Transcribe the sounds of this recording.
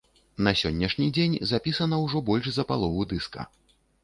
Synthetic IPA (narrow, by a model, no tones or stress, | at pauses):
nɐsʲɔnʲːɐʂnʲid͡zʲenʲzapʲisɐnɐwʐɔbɔlʲʐzɐpalˠɔvud̪ɨskɐ̰